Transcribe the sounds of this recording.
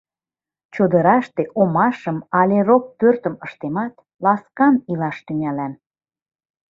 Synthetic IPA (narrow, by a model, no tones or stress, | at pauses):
t͡ɕod̪əɾɑʃt̪eʔomɑʃəmɑlʲerok̚pørt̪əməʃt̪emɑt̪ | lɑskɑnilɑʃt̪yŋælæn